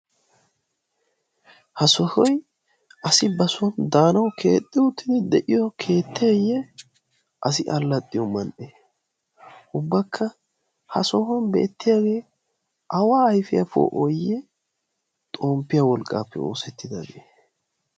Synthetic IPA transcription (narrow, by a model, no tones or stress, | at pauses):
hɐsɔhɔj | ʔɐsɪbɐsɔnd̪aːnɐwkʰe̞ːt̪ʼːɪʊt̪ːɪd̪ɪd̪ɛʔɪjɔkʰe̞ːt̪ːɪjɐjːɛ | ʔɐsɪʔɐlːɐt̪ʼːɪjɔmɐnʔeː | ʔʊbːɐkʰːɐ | hɐ̰sɔhɔnbḛːt̪ːɪjaːɡe̞ː | ʔɐwaːɐjfɪjɐfo̰ʔojɛ | t̪ʼo̞ːmpːɪjawɔlkʼːa̰ːpːɛ̰o̰ːsɛt̪ːɪd̪ɐɡeː